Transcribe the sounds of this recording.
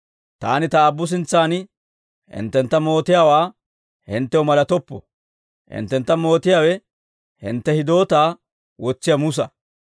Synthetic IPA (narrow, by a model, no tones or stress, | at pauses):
t̪a̰ːnɪt̪ɐːbːʊs̬ɪnt͡sːaːnɪ | hɪ̰nt̪ːɛnt̪ːɐmo̞ːt̪ɪjaːwaː | hɪ̰nt̪ːɛwʊmɐlɐt̪ɔpːɔ̰ | hɪ̰nt̪ːɛnt̪ːɐmo̞ːt̪ɪjaːwɛ | hɪ̰nt̪ːɛhɪd̪o̞ːt̪aː | wɔt͡sːɪjɐmʊs̬ɐ